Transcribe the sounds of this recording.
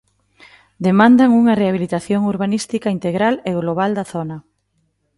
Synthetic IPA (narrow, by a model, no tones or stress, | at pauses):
d̪emãnd̪aŋuŋɐreaβilit̪aθjoŋuɾβ̞anist̪ikaint̪eɣɾaleɣloβ̞ald̪aθonɐ